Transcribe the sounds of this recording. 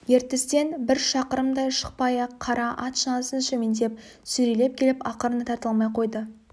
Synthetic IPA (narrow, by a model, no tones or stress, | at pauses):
je̞ɾt̪ɪst̪e̞nbɪɾʃɑqəɾəmd̪ɑjʃə̥q̚pɑjɑqʰːɑɾɑʔɑt̪ʃənɑsənʃɪmend̪e̞p̚ | sʏɾele̞p̚kʲʰe̞lɪpɑqəɾənət̪ʰɑɾt̪əlˠmɑjqʰo̞jd̪ə